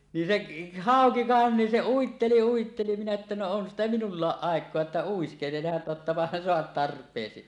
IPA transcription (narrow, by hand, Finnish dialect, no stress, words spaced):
nin seʔ hɑˑoki ʋɑˑen nin se uitːeli uitːeli minæ etːæ no on sitæ minulːɑːʔ ʔɑˑekˑoɑ etːæ uiskelehɑn totːɑpɑhɑn soɑt tɑrpˑeːsi